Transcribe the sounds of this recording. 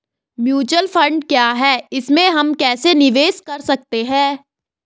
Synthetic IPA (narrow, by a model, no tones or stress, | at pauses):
mjuːt͡ʃəlfʰɐ̃ɳɖkjaːɦɛːɪsmẽɦɐmkɛːsenɪʋeːskɐɾsɐk̚t̪eɦɛ̃ː